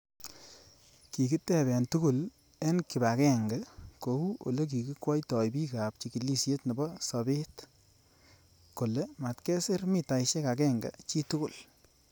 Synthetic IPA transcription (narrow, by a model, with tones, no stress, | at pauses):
ki˨ki˦tɛ˨bɛ˨ntu˦ku˦l | e˦nki˨ba˨kɛ˦ŋɡɛ˨ko˨wu˦ʔo̰˨le˦k̬i˨ki˦kwɔ˦jtɔ˨jbi˦ka˨p̚t͡ʃi˨ki˨li˦˨sje˦tnɔ˨bɔ˦sɔ˨be˦t | ko˨le˦ma˨tkɛ˦se˦ɾmi˨ta˨jʃe˦ka˨kɛ˦ŋɡa̰˨t͡ʃi˦tu˦ku˨l